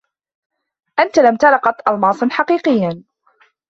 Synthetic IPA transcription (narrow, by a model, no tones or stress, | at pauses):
ʔant̪alamt̪ɑlɑqɑt̪ʔɑlmɑːsˤɨnħɑqiːqɪjːa